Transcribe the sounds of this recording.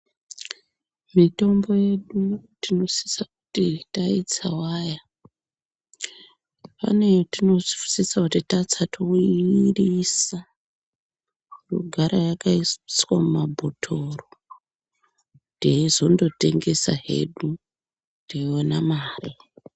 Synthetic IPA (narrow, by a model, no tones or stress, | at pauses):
mito̞mbo̞je̞ɗutino̞si̥sakutitait͡sawaːja | pa̰ne̞tino̞ʐifu̥sisakutitat͡satʰoirisa | ruɡʱaɾajakaisswamumabʱotʰo̞ro | deizo̞ndo̞te̞ŋɡe̞sa̰ɦe̞̰ɗu | deonamaːre